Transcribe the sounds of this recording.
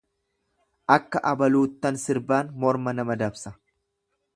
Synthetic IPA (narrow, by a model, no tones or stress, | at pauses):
ʔɐkːɐʔɐbɐluːt̪ːɐnsɪɾbaːnmɔɾmɐnɐmɐd̪ɐbsɐ